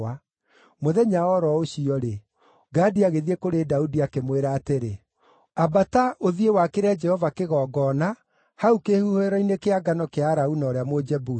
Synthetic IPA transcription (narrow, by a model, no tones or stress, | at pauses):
a | moðɛɲaɔɾɔoɕiɔɾe | ɡaːdiaɣeðiekoɾedaudiakemweɾaːteɾe | abataʔoðiewakeɾad͡ʒɛhɔvakeɣɔːɡɔna | haukehuhoeɾɔinekeaɡanɔkeaɾaunaːɾeamod͡ʒɛbu